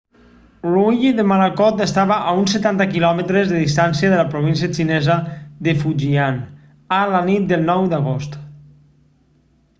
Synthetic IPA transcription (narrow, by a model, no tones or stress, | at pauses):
luʎiðəmalakɔt̪əst̪aβaʔaunsət̪ant̪əkilɔmət̪ɾezðəðist̪ansiəðələpɾoβ̞ins̬iət͡ʃinɛzəðəfuʒian | alanit̪̚d̪əlˠnɔwd̪aɣ̞ost̪